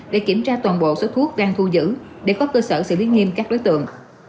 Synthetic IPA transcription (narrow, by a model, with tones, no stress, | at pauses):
ɗḛ˧˩ki˧˩əmt͡ɕaː˧t̪waː˨˩nɓo̰˧˨so˨˦t̪ʰu˦˥ək̚ɗaː˧ŋt̪ʰu˧zɨ̰˧˥ɗe˧˩kɔ˨˦kəː˧səː˧˩sɨ̰˧˨li˨˦ŋi˧əmkaː˦˥k̚ɗo˨˦jt̪ɨ̰˧˨əŋ